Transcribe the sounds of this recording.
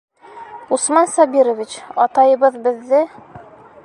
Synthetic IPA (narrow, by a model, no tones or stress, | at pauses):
usmɑnsɒbiɾŏvʲit͡ɕɒt̪ɑjɤ̆bɤðbɘ̆ðːɘ